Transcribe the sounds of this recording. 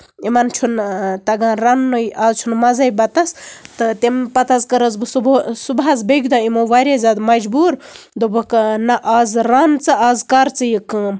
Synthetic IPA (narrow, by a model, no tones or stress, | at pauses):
imɐnt͡ʃʰunt̪ɐɡãɾanːojʔaːzt͡ʃʰunmɐzɐjbɐt̪ɐst̪ɨt̪empɐt̪ɐzkɐɾɐzbɨsubsubɦazbeɡd̪aimoʋaɾʲezʲad̪mɐd͡ʒbuɾ | d̪obɐknɐʔazɾant͡sɨaːzkaɾt͡sɨjikɨ